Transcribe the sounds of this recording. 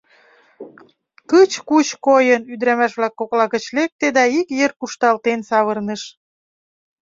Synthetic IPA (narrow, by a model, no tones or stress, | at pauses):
kət͡ɕkut͡ɕkojənyd̪ɾæmæʃβlɑkːoklɑkə̆t͡ɕlek̚t̪ed̪ɑikjerkuʃt̪ɑlt̪ensɑβə̆rnĕʃ